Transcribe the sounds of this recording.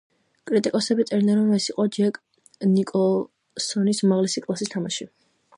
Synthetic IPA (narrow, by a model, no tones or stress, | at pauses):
kʼɾit̪ʼikʼɔsɛbit̪sʼɛɾnɛɾɔmɛsiqʼɔd͡ʒɛkʼ | nikʼɔ | sɔnismaʁlɛsikʼlˠasist̪ʰamaʃi